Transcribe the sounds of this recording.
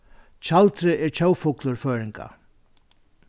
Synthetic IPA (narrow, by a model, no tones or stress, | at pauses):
t͡ɕʰalt̪ɾɪʔɛɹt͡ɕʰowfʊklʊɾføːɾɪŋka̰